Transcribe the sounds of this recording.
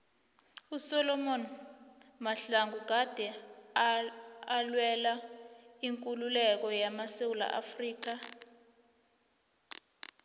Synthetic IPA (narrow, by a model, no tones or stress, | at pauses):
usɔlɔmɔn | maɬaŋɡʱuk̬ad̥ʱɛ | alwɛlaiŋkʼululɛk̬ɔjamasewula̰ʔa̰friːk̬a